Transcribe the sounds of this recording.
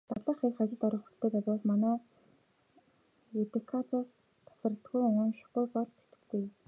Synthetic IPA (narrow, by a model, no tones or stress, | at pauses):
t̪at̪ɮə̆χiχat͡ɕɪ̆ɮt̪ɔɾɞ̆χxu̥sɘ̆ɬt̪eːt͡saɮwaːsmanæː | et̪ekʰat͡sas | t̪ʰḁsrə̆ɬt̪̚ɡujʊnʃɪ̥̆ujpɔɮse̥t̪ɘ̆kt̪ʰeː